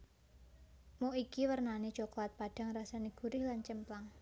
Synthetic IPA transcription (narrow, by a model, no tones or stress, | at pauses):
moʔikiwərnane̥ʒ̥okolat̪̚paɖ̥a̤ŋrasaniɡ̥ṳɾɪhlant͡ʃəmplaŋ